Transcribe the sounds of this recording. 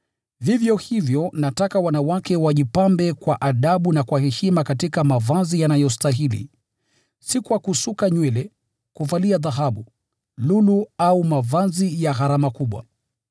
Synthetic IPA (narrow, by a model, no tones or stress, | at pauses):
vivjɔhivjɔnatakawanawakɛwaʄipambɛkwaʔaɗaɓunakwahɛʃimakatikamavazijanajɔstaɦilḭ | sikuwakusukaɲwɛlɛ | kuvaliaðaɦaɓu | luluaumavazijaɣaɾamakuɓwa̰